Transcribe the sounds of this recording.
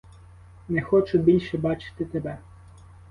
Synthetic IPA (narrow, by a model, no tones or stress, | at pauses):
nɛxɔt͡ʃʊbʲilʲʃɛbɑt͡ʃɪ̥t̪ɪt̪ebɛ